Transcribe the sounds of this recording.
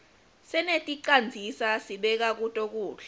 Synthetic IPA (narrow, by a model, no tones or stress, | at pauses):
sɛnetʼiǃand͡zʱisasiɓɛk̬ak̬utʼok̬ʼuːɬa